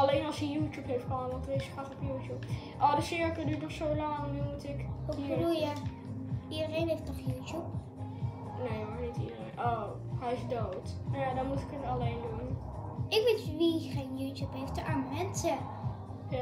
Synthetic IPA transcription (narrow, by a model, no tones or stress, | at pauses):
ɑlejnɑlˠsəjuːtjupɦejftχəanəʋɑntərefχatɔpjuːtjup | ʔodəsɪɹkədyːtnɔχsowlɑŋnymutɪkɔəduja | ʔidərejnɦejftnɔχjuːtjup | nejmaɹnitḭdərenʔow | hɛjɪsdowtmadɔnmutɪ̥kətɑlejndun | ʔɪkʋitʋiχenjuːtjupɦejftəʔammɛntə | ja